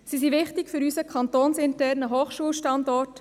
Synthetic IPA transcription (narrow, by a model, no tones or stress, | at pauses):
sisiʋɪχtɪkfʏɾysəkʰɑnt̪oːnsɪntɛrnəɦoːχʃuəlʃtɑndɔrt